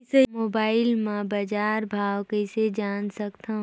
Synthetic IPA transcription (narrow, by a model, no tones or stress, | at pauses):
semoːbaːɪlmãbɐd͡ʒaːɾbʱaːwkesed͡ʒaːnsɐkt̪ã